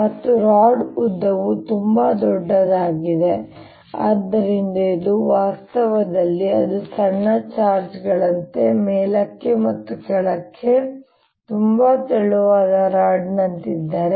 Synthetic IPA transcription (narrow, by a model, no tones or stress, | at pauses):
mɐt̪ːuɾaːɖud̪ːɐʋut̪umbad̪ɔɖːɐd̪aːɡid̪e̞ | a̰ːd̪ːɐɾind̪ɐid̪uʋaːst̪ɐʋɐd̪ɐlːiɐ̰d̪usɐɳːɐt͡ʃaːɾd͡ʒɡɐɭɐnt̪e̞mɛːlɐkːe̞mɐt̪ːukɛɭɐkʰːe | t̪umbat̪ɛɭuʋaːd̪ɐɾaːɖnɐnt̪id̪ːaːɾe